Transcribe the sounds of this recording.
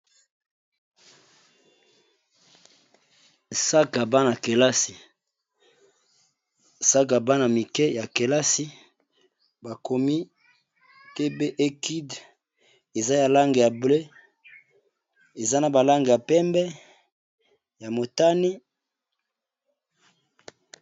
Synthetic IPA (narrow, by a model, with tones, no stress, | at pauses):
sa˦ka˨ba˦na˨ke˨la˦si˨ | sa˦k̬a˨ba˦na˨mi˨kɛ˦ja˨ke˨la˦si˦ | ba˨kʰo˨mi˦ | te˦be˦ʔe˦ki˦d | e˨za˦ja˨la˦ŋɡe˨ja˨ble˦ | e˨za˦na˨ba˨la˦ŋɡe˨ja˨pɛ˦mbɛ˦ | ja˨mo˨ta˦ni˦